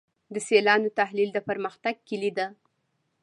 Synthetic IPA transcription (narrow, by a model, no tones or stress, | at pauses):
d̪əselɑnot̪ahlild̪əpəɾməxt̪aɡ̚kilid̪ə